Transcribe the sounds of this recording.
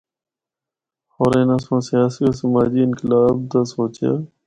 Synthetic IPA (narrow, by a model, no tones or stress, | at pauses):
oːɾẽːnãːsõːsɪjaːsiːoːsəmaːd͡ʒiːɪnkɪlaːb̚t̪aːsoːt͡ʃja̰ː